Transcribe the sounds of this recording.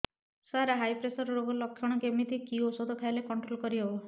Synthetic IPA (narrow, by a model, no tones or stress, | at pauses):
saɾaɦajpɾesɔɾɔɾoɡɔlɔkʰːjɔɽ̃ɔkemit̪ʰikiosod̪ʱɔk̪ʰajlekɔɳʈɾolkɔɾiɦebɔ